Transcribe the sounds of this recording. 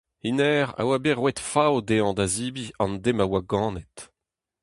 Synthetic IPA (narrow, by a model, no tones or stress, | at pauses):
inɛːʁa̰wabeʁwɛt̪fawd̪eɑ̃d̪aziːbiɑ̃nd̪emawaɡɑ̃ːnɛt̪